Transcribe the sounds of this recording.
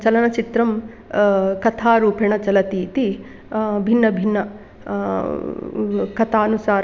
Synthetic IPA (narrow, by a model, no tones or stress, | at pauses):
t͡ʃɐlɐnɐt͡ʃit̪ɾɐm | kɐt̪ʰaːɾuːpeɳɐt͡ʃɐlɐt̪iːt̪i | bʱinːɐbʱinːɐ | kɐt̪ʰaːɐnusaːɾ